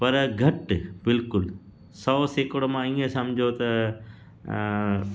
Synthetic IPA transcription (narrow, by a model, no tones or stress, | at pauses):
pɐɾɡʱɐʈbɪlkʊl | sɔːseːkəɽmãiːẽsɐ̃md͡ʑʱot̪ɐ